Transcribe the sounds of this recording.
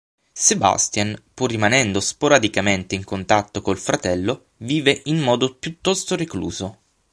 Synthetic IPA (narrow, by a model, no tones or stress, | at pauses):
seba̰st̪janpurːimanɛnd̪ospoɾad̪ikament̪eiŋkont̪at̪ːokolfɾat̪ɛlːo | viːveʔinːɔːd̪opjut̪ːɔst̪oɾeklṵːzo